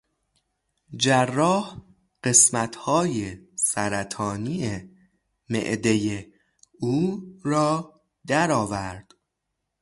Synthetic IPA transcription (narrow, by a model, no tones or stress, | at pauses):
d͡ʒærːɒːh | ɢ̥e̞smæt̪ʰhɒːjesæɾæt̪ʰɒːniːe | mḛʔd̪e̞je | uːɾɒː | d̪æɾɒːvæɾd̪̥